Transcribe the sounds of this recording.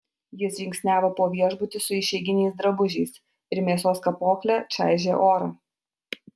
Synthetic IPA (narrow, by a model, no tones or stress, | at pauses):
jɪsjʲɪŋksʲnʲæːʋoːpoːʋʲiɛʒbʊt̪ʲɪsʊɪʃʲɛɪɡʲɪnʲɛɪsd̪ɾɐbʊʒʲɛɪs | ɪɾmʲeːsoːskɐpoːklʲæt͡ʃʲæ̰ˑɪʒʲeːʔoːɾɐː